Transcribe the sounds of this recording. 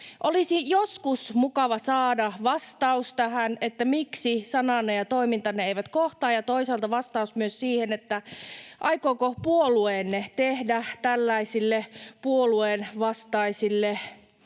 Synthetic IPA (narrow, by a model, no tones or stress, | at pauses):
ʔolisijoskusmukɑʋɑsɑːdɑʋɑst̪ɑust̪æhænet̪ːæmiksisɑnɑnːejɑt̪oimint̪ɑnːeeiʋæt̪koht̪ɑːjɑt̪oisɑlt̪ɑʋɑst̪ɑusmyøssiːhenet̪ːæʔɑikoːkopuolueːnːet̪ehdæt̪ælːæisilːepuolueːnʋɑst̪ɑisilːe